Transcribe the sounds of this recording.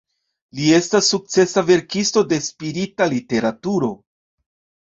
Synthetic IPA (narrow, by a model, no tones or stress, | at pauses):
lie̞stasːuk̚t͡se̞save̞ɾkisto̞de̞spiɾitalite̞ɾatuɾo̞